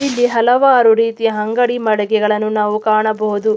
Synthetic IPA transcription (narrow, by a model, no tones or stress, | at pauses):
ilːiɦɐlɐʋaːɾuɾiːt̪ijɐɦɐŋɡɐɽimɐɽɛɡɛɡɐɭɐnːunaːʋukaːɳɐbɐɦud̪u